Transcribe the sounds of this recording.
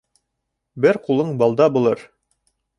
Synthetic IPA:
bɘɾqulˠɤɴbɑlˠd̪ɑbulˠɤɾ

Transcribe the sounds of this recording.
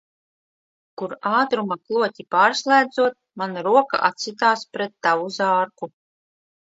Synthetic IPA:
kuɾaːt̪ɾumaklˠuɔt̪ʲipaːɾslˠæːd̪zuɔt̪̚manaɾuɔka̰ʔa̰t̪sʲit̪aːspɾɛt̪ːavuzaːɾku

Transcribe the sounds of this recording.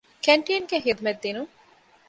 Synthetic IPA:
kæɳʈijɐnɡeɦid̪umed̪̚d̪inu

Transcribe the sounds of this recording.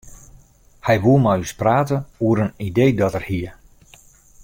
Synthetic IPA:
hɛjʋuəmajyspraːtəuəɾənidejdɔtərhiə

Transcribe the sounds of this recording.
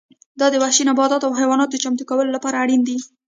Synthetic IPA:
d̪ɑd̪əwahʃinabɑd̪ɑt̪awɦajwɑnɑt̪od̪ət͡ʃamt̪ukawəlolapɑɾaːɽind̪i

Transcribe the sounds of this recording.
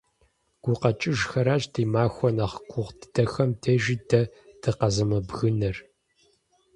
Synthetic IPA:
ɡ̥ʷʊqɐt͡ʃʼɪʒxɐɾaːɕdʰiːmaːxʷɔnaχkʷʰʊʁdɨdɐxɐmtʰeːʒiːdʰɐd̥ɨqɐzɐmɐbɣɨnɐr

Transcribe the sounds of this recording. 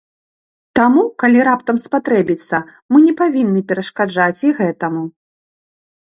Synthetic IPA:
t̪amukalʲiɾapt̪ɐmspat̪ɾɛbʲit̪sːɐ | mɨnʲɛpavʲinːɨpʲɛɾɐʂkad͡ʐat͡sʲiɣɛt̪ɐmu

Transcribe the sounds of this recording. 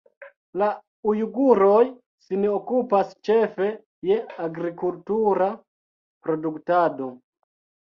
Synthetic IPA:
la | ujuɡuɾo̞j | sinokupast͡ʃe̞fe̞ | je̞aɡɾikultuɾa | pɾo̞duktado̞

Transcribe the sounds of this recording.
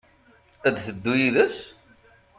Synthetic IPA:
æd̪θəd̪ːujiðəs

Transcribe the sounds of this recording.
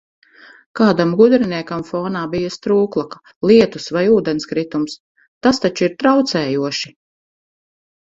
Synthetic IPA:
kaːd̪amɡud̪ɾiniɛkamfɔːnaːbijast̪ɾuːklˠakḁ | lˠiɛt̪usvajuːd̪ɛnskɾit̪ums | t̪ast̪at͡ʃuiɾt̪ɾawt̪sɛːjuɔʃi

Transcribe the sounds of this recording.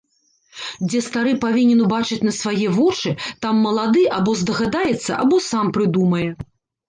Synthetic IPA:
d͡zʲɛst̪aɾɨpavʲinʲɛnubat͡ʂɨt͡sʲnɐsvajɛvɔt͡ʂɨt̪amːɐlˠad̪ɨʔabɔzd̪ɐɣad̪ajɛt̪sːɐ̰ʔa̰bɔsampɾɨd̪umɐjɛ

